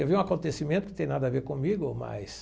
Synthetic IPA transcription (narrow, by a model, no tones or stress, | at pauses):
ewviũakõnt̪esimẽnt̪ʊkɪ̥t̪ẽj̃nad̪ɐaveɾkõmiɡʊoma̰js